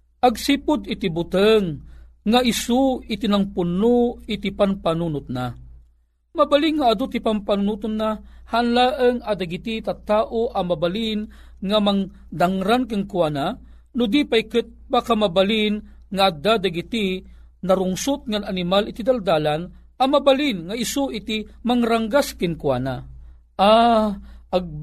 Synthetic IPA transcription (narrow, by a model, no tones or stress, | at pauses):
ʔaɡsipʊd̪it̪ibut̪əŋː | aʔisuit̪inaŋpʊnuit̪ipanpanunʊt̪̚na | mabaliŋːaːd̪ʊt̪ipampanunut̪ʊnːahaːnlaːʔəŋad̪aɡit̪it̪at̪aːʔoʔamabalin | ŋamaŋ | d̪aŋɾankɨŋkuana | nʊd̪ipajkɨt̪̚bakamabalin | ŋaːd̪ad̪aɡit̪i | naɾʊŋsʊt̪̚ŋananimalit̪id̪ald̪aːlan | amabalinŋaisuʔit̪imaŋɾaŋɡaskɨŋkwana | ʔa | aɡ̚